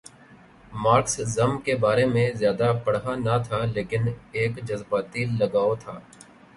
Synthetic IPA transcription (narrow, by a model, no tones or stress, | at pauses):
maːɾkszɐmkebaːɾemẽzjaːd̪apɐɽɦanɐt̪ʰaleːkɪneːkd͡ʒɐzbaːt̪ilɐɡaːot̪ʰa̰ː